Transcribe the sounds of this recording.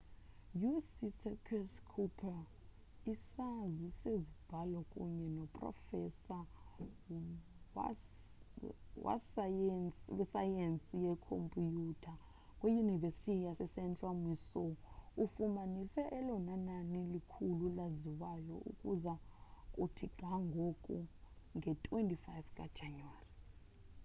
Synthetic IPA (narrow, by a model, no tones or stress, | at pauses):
jusitʰɛkʰɛskʰupʰa | isazisezib̥ʱalɔkʼṵɲɛnɔpʼrɔ̰fɛsa | wa̰s | wɛsajensʼijɛkʰo̰mpʼijutʰa | kʼwijunivestijasɛsɛnt͡ʃʼwamisɔufumanisɛʔɛlɔnananilikʰululaziwajɔʔṵkʼuzakʼutʰiɡ̥ʱaŋɡʱokʼuŋɡʱɛtʰʼwentʼifajfkʼa̰̥d͡ʒʱanwari